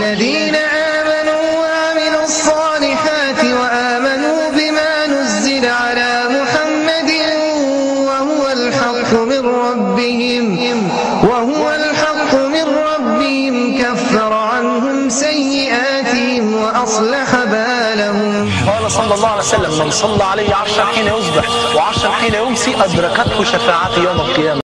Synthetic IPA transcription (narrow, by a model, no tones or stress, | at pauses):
lːaðiːnaʔaːmanuːwaʔaamɪluːɑsˤːɑːlɪħaːt̪ɪwaʔaːmanuːbɪmaːnʊzːɪlaʕalaːmʊħamːad̪ɪ | wahʊwalħɑlqʊmɪnɾˤɑbbːɪhɪm | wahʊwalħɑqːʊmɪnɾˤɑbːɪhɪmkafːɑɾˤʕanhʊmsajːɪʔaːt̪ɪhɪmwaʔɑsˤlaħabaː | lahʊm | qɑːlɑsˤɑlːɑlˤːɑːʕalajsalːamːɪnsˤɑlːɑːʕalajːʕɑɾˤʃɾˤɑnħiːnajʊsbɪħ | wɪʕɑɾʃɾˤɑnħiːnajʊsiʔad̪ɾˤɑkat̪hʊʃafaːʕaːt̪jawmalqɨjaːma